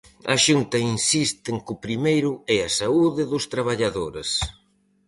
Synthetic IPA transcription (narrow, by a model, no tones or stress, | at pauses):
ɐ̰ʃunt̪ɐinsist̪ɪŋkʊpɾimejɾʊɛɐsauðɪðʊst̪ɾaβaʎaðoɾes